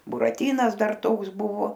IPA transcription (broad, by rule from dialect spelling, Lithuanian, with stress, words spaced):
bʊrɐˈtʲiːnɐs ˈdɐr ˈtoːks ˈbʊʋoː